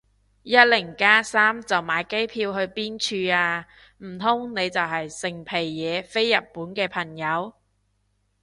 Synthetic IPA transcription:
jɐ˥t̚lɪ˨˩ŋkaː˥saː˥mt͡sɐ˨wmaː˨˧jke˥jpʰiː˧wɦɵ˧ɥpiː˥nt͡ʃʰyː˧aː˧ | m̩˨˩t̪ʰʊ˥ŋne˨˧jt͡sɐ˨wɦɐ˨jsɪ˨˩ŋpʰe˨˩jːɛː˨˧fe˥jːɐ˨t̚pːuː˨˥nkɛː˧pʰɐ˨˩ŋjɐ˨˧w

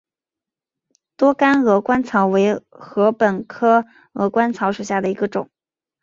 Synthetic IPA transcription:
t̪wɔ˥ka˥nɤ˧˥kwa˥nt͡sʰɑ˧˥ʊwe˧˥ɪxɤ˧˥pə˨˩nkʰɤ˥ | ɤ̰˧˥kwa˥nt͡sʰɑ˧˥ʊʂu˨˩ɕja˥˩d̪ə˩i˧˥ɡə˧ʈ͡ʂʊ̰˨˩˦ŋ

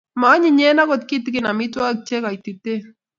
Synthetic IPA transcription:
ma˨˦ɲi˨ɲe˦na˦ko˦t̪̚ki˦t̪ki˦na˨mi˦t̪wa˦k̚t͡ʃe˦ka˨jt̪i˨t̪e˦

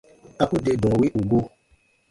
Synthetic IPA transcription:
a˧ku˦de˧dɔ̃˨wi˦ʔu˨ɡo˦

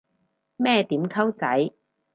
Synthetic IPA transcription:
mɛː˥˩t̪iː˨˥mkʰɐ˥wt͡sɐ̰˨˥j

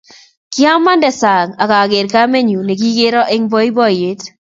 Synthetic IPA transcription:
kɪ˦a˦mːa˦ndɛ˨sa˨ŋa˨ka˨ɡe˨ɾka˦me˦ɲu˨ne˨ɡ̬i˦ɡe˦ɾɔ˦ʔe˦ŋbɔ˦i˦bɔ˦je˨˦t

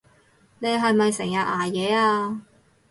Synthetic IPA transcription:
ne˨˧jɦɐ˨jmɐ˨jsɪ˨˩ŋjɐ˨˧t̚aː˨˩jɛː˨˧aː˧

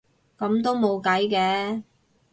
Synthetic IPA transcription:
kɐ˨˥mt̪o˥wmo˨˧wkɐ˨˥jkɛː˨˧

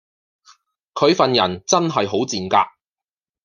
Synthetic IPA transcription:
kʰɵ˨˧ɥfɐ˨njɐ˨˩nt͡sɐ˥nɦɐ˨jɦo˨˥wt͡siː˨nka̰ː˧k̚

